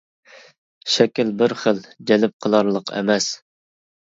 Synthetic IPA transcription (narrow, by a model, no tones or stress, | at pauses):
ʃɛkʲilbɪɾχəld͡ʒɛlɪp̚qʰəlˠɑɾlˠəqʰɛ̰mɛs